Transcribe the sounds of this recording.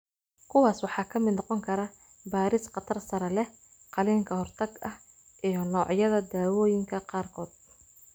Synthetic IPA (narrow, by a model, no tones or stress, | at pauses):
kʰʊwɑːswɑħɑːkʰɐmɪd̪nɔqɔŋkʰɐɾɐ | baːɾɪsqɑt̪ʰɐrsɐɾɛlɛ | qɑliːŋkʰɐhɔrt̪ʰɐɡɐh | ʔijɔnɔːʕjɐðɐd̪aːwɔːjɪŋkʰɐqɑːrkʰɔːd̪̥̚